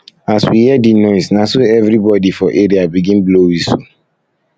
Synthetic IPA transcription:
aswihiɛdinɔɪsnasoɛvɾibɔdifɔʔeɾiabiɡĩnblowisṵ

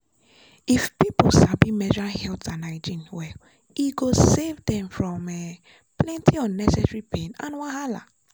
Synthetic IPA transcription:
ifpiposabimɛd͡ʒalhɛltãnaɪd͡ʒĩnwɛ | iɡosevdɛ̃mfɹɔ̃mɛ | plɛ̃ntʰiɔ̃nːɛsɛsɹipʰẽnã̰nwãhala̰

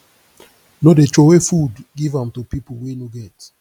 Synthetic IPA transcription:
nodet͡ʃowefudɡivãmtupipowinoɡɛt

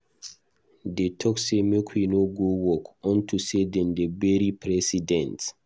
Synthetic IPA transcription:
detʰɔksemekʰwinoɡowɔkɔ̃ntʰusedɛ̃ndebɛɾipɹɛsidɛ̃nt

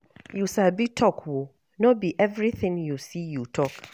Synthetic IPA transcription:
jusabitʰɔkʰwo | nobiʔɛvɾiθɪ̃ŋjusijutʰɔk

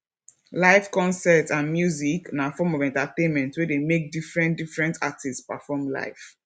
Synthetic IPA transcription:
laɪfkɔ̃nsɛtãnmjuziknafɔmɔvɛ̃ntatẽnmɛ̃ntwɛdemek̚difɹɛ̃ndifɹɛ̃ntʰatʰisspa̰fɔmla̰ɪf

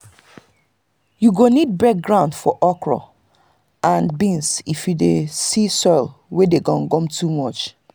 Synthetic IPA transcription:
juɡonid̚bɛk̚ɡɹãʊ̃ndfɔʔɔkɹɔ̰ | ʔãnbĩnsifjudesisɔɪlwedeɡɔ̃nɡɔ̃mtʰumɔt͡ʃ

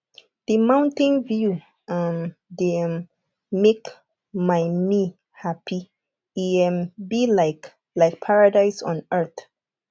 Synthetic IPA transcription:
d̥imãʊ̃ntɪ̃nvju | ʌmde | mek | maɪmi | hapʰi | iɛmbilaɪk | laɪk̚pʰaɹadaɪsɔ̃nɛ˞θ

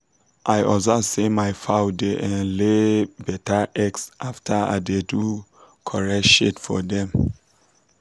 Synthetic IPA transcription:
ʔajʔɔzasemajfaʊdeʔɛ̃nlebɛtʰaʔɛksʔaftʰaa̰dedu | kʰɔɹɛʃetfɔ̰dɛ̃m

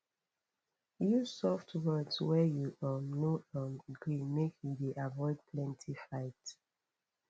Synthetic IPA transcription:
jusɔftwɜdswɛjuʔɔmnoʔɔ̃nɡɹĩmekʰjudeʔavɔɪd̚pʰlɛ̃ntʰifaɪt

